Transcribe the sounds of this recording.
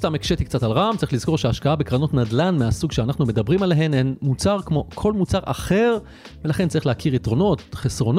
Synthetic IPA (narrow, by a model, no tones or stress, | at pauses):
st̪amekʃet̪ik̚t͡satalʁamt͡saʁiχliz̥ko̞ʁʃeaʃkaabekʁano̞tnadlanmeasuɡʃeanaχnume̞dabʁimaleɦe̞nenmut͡saʁkmo̞kʰo̞lmut͡saʁʔa̰χe̞ʁ | velaχent͡saʁiχleakʰiʁitʁo̞no̞tχesʁo̞n